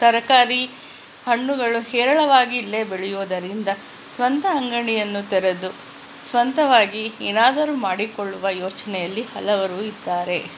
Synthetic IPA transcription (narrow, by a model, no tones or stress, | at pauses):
t̪ɐɾɐkaːɾi | hɐɳːuɡɐɭuhɛːɾɐɭɐʋaːɡiːlːe̞beɭɛjuːd̪ɐɾind̪ɐ | sʋɐnt̪ɐːŋɡɐɳijɐnːut̪ɛɾed̪u | sʋɐnt̪ɐʋaːɡieːnaːd̪ɐɾuːmaːɽikoɭːuʋɐjoːt͡ʃɐnɛjɐlːihɐlɐʋɐɾuːid̪ːaːɾe̞